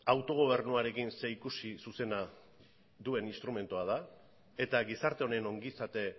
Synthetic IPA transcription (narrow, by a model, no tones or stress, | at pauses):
awt̪o̞ɣ̞o̞β̞e̞ɾnuaɾe̞kinse̞ikusisuse̞na | ðue̞ninst̪ɾume̞nt̪uaða | e̞t̪aɣisaɾt̪e̞o̞ne̞no̞ŋɡisat̪e̞